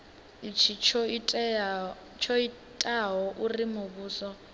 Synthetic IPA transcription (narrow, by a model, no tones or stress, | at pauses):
it͡ʃʰit͡ʃʰʼ | t͡ʃʰɔi | tʼaɦɔʔurimuβuːsɔ